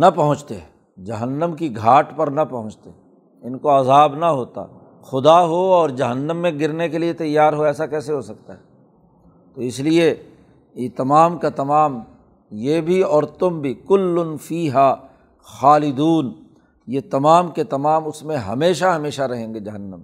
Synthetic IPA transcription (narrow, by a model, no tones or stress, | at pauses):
nɐpɐɦʊ̃t͡ʃt̪e | d͡ʒɐɦənːəmkiɡʱaːʈpɐɾnɐpɐɦʊ̃t͡ʃt̪e | ɪnkoɐzaːbnɐɦoːt̪a̰ː | xʊd̪aɦoɔːɾd͡ʒɐɦənːə̃mːẽɡɪɾnekeliet̪ɐjːaːɾɦoɛːsakɛːseɦosɐk̚t̪aɦɛː | t̪oːɪslie | jet̪ɐmaːmkat̪ɐmaːm | jeːbʱiɔːɾt̪ʊmbʱikʊlːʊnfiːɦaː | xaːlɪd̪uːn | jet̪ɐmaːmket̪ɐmaːmʊsmẽɦɐ̰meːʃaɦɐmeːʃaɾɐɦẽːŋɡed͡ʒɐɦənːə̃m